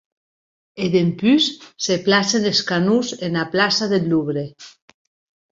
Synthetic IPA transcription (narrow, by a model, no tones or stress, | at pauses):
eðempysːeplaseneskanuzenaplasaðelːuβɾe